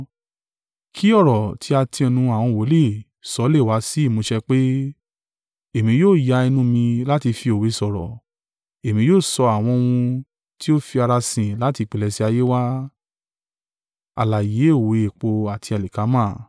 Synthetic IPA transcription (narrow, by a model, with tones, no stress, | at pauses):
kʰi˦ɔ˦˨ɾɔ˨tʰi˧˦a˧tʰĩ˧ɔ˧nũ˧a˨w̃ɔ̃˧˨wo˨˦le˦˨ | sɔ˨˧˦le˦˨wa˨˦si˦i˦˨mũ˨˦ʃɛ˧k͡pe˦ | e˦˨mĩ˧˦joː˦˨ja˧i˧nũ˦mĩ˧la˦ti˧fi˧o˨we˨˦sɔ˨ɾɔ̰˨ | e˨mĩ˧˦joː˦˨sɔ˧a˨w̃ɔ̃˧wũ˧ | ti˦o˦fi˧a˧ɾa˧sĩ˨la˨˦ti˧k͡pe˨lɛ˧si˧˦a˧je˦wa˦ | a̰˨la˨je˨˦o˦˨we˨˦e˨k͡po˧a˨tʰi˧a˨li˨ka˨˦mãː˦˨